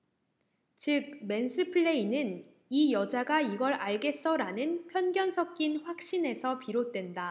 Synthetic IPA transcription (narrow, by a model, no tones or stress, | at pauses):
t͡ɕɯk̚me̞nsʰɯpʰɯɭːe̞inɯn | ijʌd͡ʑaɡaiɡʌɾaɭɡe̞s͈ʌɾanɯnpʰjʌnɡjʌnsʰʌk̚k͈inɸwak̚ɕ͈ine̞sʰʌpiɾot̚t͈we̞nda